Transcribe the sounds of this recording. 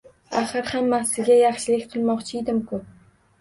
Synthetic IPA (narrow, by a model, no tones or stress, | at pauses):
aχɨɾhamːasɪɡʲajɑχʃɪlɪkʲqʰɨlˠmɒqt͡ʃʰɪed̪ɪmkʰʊ